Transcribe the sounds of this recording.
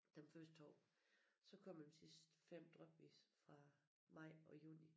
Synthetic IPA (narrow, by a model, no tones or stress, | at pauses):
d̥emfɶsd̥ɒ̰ːsɒ̽kʰɒ̽m̰emsisd̥fem̰d̥ʁœb̥ʋḭːsfʁɑ̈ | mɑ̈ɪ̰ɒ̽jṵːni